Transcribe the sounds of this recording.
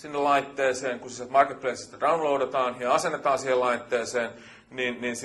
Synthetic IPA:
sinːellɑit̪ːeːseːŋkusiset̪mɑrket̪̚pleisi̥st̪ːrɑunloudet̪ɑːnjɑɑsenːet̪ɑːnsiːhelɑit̪ːeːseːn | niːnniːns

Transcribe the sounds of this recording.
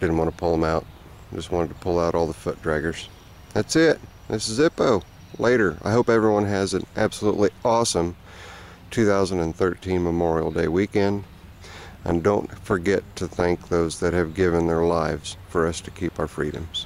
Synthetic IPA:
d̥ɪdⁿn̩ʔwɑ̃ntʰəpʰʊlˠðə̃maʊt̚ | d͡ʒʌst̚wɑ̃ñɨd̚tʰəpʰʊlˠaʊɾʔɔlˠðəfʊt̚d̥ɹæɡə˞z̥ | ðætsɪt̚ | ðɪsɨzɪpoʊ | leɪɾə˞a̰ɪɦoʊpɛvɹiwʌ̃nɨzɨ̃nʔæb̥səluʔˡliʔɔsə̃m | tʰʉθaʊzə̃ndɨ̃nθɜ˞tʰĩnməmɔɹil̩ˠdeɪwikɛ̃nd | ʔɨ̰̃ndõʊ̃ntfə˞ɡɛtʰɨθæ̃ŋk̚ðoʊzðɨt̚hɨvɡɪvɨ̃nðə˞laɪvz̥fə˞ʌstʰɨ̥kʰipaʊə˞fɹḭɾɨ̰̃mz̥

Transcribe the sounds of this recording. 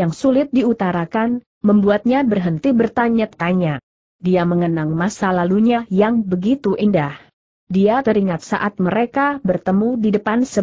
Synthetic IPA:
jaŋsulɪt̪̚diut̪aɾakan | məmbuat̪̚ɲabərɦənt̪ibərt̪aɲat̪̚kaɲa | diaməŋənaŋmasalaluɲajaŋbəɡit̪uʔindah | diat̪əɾiŋat̪̚sa̰ʔat̪̚məɾekabərt̪əmudidəpansə

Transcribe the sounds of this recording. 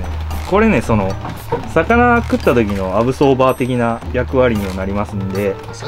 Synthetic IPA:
ko̞ɾe̞ne̞so̞no̞ | sakanakɯ̟t̪ːat̪o̞kʲino̞aβɯ̟so̞ːbaːt̪e̞kʲinajakɯ̟βaɾʲiɲ̟imonaɾʲimasɨ̃nd̪e̞

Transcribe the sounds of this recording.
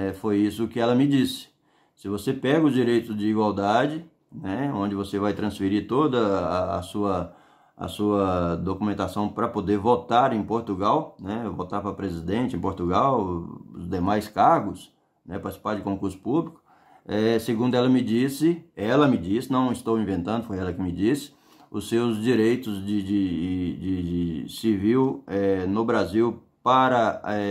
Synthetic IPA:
ɛfojisʊːkɪɛlɐmɪd͡ʒisɪ̥ | sɪvosepɛɡɐʊzd͡ʒiɾejt̪ʊzd͡ʒɪiɡwawd̪ad͡ʒɪ | nɛõnd͡ʒɪvosevajt̪ɾɐ̃sfiɾiɾt̪od̪ɐːsuɐ | ɐ̰suɐd̪okumẽnt̪asɐ̃w̃pɾɐpod̪eɾvot̪aɾẽj̃poɾt̪uɡawnɛvot̪aɾpɾɐpɾezid̪ẽnt͡ʃɪẽpoɾt̪uɡawʊ̰zd̪emajskaɾɡʊs | nɛpaɾt͡ʃɪ̥si̥paɾd͡ʒɪkõkuɾsʊ̥publikʊ̥ | ɛseɡũnd̪ʊɛlɐmɪd͡ʒisɪɛlɐmɪd͡ʒisɪnɐ̃w̃ɪst̪owĩvẽnt̪ɐ̃nd̪ʊfojɛlɐkɪmɪd͡ʒisɪ̥ | ʊsewzd͡ʒiɾejt̪ʊzd͡ʒɪd͡ʒɪd͡ʒɪɪsiviwɛnʊbɾaziw | paɾɐɛ

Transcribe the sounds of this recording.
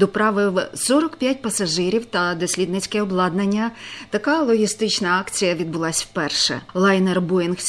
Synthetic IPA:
d̪ɔpɾɑʋɪwsɔɾɔkpʲjat̚ʲpɐsɐʒɪɾʲiwt̪ɐd̪ɔsʲlʲid̪nɪt͡sʲkɛɔblˠɑd̪nɐnʲːɐt̪ɐkɑlˠɔɦʲist̪ɪt͡ʃnɐɑkt͡sʲijɐʋʲid̪bʊlˠɑsʲwpɛrʃɛ̰lˠɑjnɛrbujɪnxʲ

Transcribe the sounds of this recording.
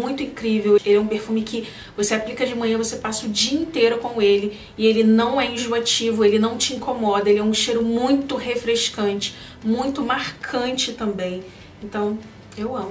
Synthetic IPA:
ũj̃t̪ʊĩkɾivewelɛũpeɾfumɪkɪ | voseaplikɐd͡ʒɪmɐ̃ɲɐ̃vosepasʊd͡ʒiɐĩnt̪ejɾʊkõw̃elɪ | ɪelɪnɐ̃w̃ɛĩʒuat͡ʃivʊelɪnɐ̃w̃t͡ʃɪĩŋkomɔd̪ɐelɪɛũʃejɾʊmũj̃t̪ʊɦefɾeʃkɐ̃nt͡ʃɪ̥ | mũj̃t̪ʊmaɾkʰɐ̃t͡ʃɪt̪ɐ̃mbẽj̃ | ẽnt̪ɐ̃w̃ | ewɐ̃m

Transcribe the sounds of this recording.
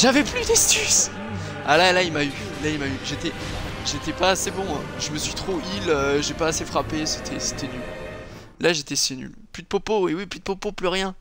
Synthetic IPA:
ʒavɛplyd̪ɛst̪ys | alalailmay | lailmayʒet̪ɛ | ʒet̪ɛpaːsebɔ̃ʒəməsɥit̪χoiløʒepaːsefχapese̥t̪ʰɛse̥t̪ɛnyl | laʒet̪ɛsiny̰l | plyd̪əpopoewiplyd̪əpopoplyʁjɛ̃

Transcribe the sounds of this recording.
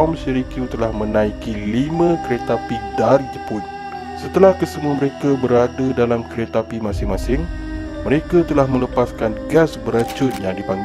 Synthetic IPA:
msɛɾikjut̪əlahmə̃nãikilimãkəɾet̪apidarid͡ʒəpʊt̪̚ | sət̪əlahkəsəmuaməɾekabəɾadadalamkəɾet̪apimãsɪŋmasɪŋməɾekat̪əlahmə̃ləpaskanɡɛsbəɾat͡ʃʊt̪̚jaŋdipaŋɡ

